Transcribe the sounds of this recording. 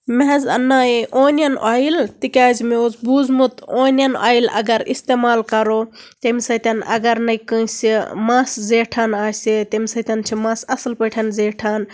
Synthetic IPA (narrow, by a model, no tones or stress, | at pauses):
meɦɛzɐ̰nːaːeʔoːnjɐnʔaːilt̪ikʲaːzmeozbuːzmut̪oːnjɐna̰ːilɐ̰ɡɐɾḭst̪eːmaːlkɐɾoːt̪emisɐt̪ɐnɐ̰ɡɐɾnɐjkə̃simaːszeːʈʰanaːsit̪ɐmisɐt̪ʲɐnt͡ʃʰimãːsɐslpəʈʰɐnzeːʈʰaːn